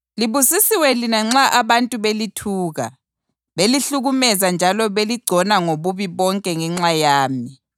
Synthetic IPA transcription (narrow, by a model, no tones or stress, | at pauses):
liβusisiwɛlinaŋ͡ǁaʔaβantʼuβelitʰuːɣa | βeliɬuɣumɛzand͡ʒʱalɔβeliɡ͡ǀʱɔnaŋoβuβiβɔŋkʼɛŋɛŋ͡ǁajaːmi